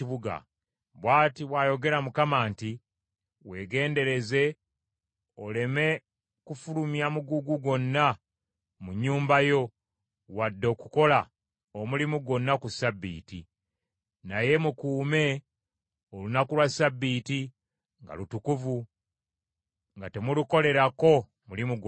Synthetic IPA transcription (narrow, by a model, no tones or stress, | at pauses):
iβuɡa̰ | βwaːtiβwajo̞ɡe̞ɾamukamaːnti | we̞ːɡe̞ːnde̞ɾe̞ze̞ | o̞le̞me̞ | kufulumjamuɡuɡuɡo̞nːa | muɲːuːmbajo̞ | wadːo̞ːkuko̞la | omulimuɡo̞nːakusabːḭːtḭ | naje̞mukuːme̞ | olunakulwasabːiːti | ŋɡa̰lutukuvu | ŋɡate̞muluko̞le̞ɾako̞ | mulimuɡ